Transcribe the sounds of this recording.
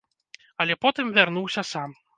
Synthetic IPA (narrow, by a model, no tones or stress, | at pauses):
ɐlʲɛpɔt̪ɨmvʲarnuwsʲɐsam